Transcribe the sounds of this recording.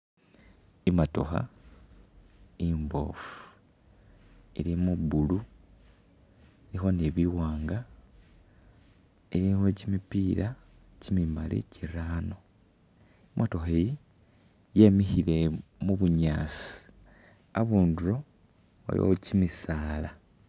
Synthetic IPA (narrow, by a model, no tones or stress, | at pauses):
imato̰xa̰ | imbo̞̰fu̥ | elimubulu | elixo̞neβiwaːŋɡa | elimocimipiːɾa | cimimalḭciɾaːno̞ | imʔato̞xeji | jeːmihile̞muβuɲaːsii̥ | aβuːnduɾo̞ | a̰lḭwo̰cimisaːla